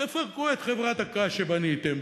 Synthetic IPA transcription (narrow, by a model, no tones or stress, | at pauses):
efaʁkuet̪χevʁat̪akaʃebanit̪em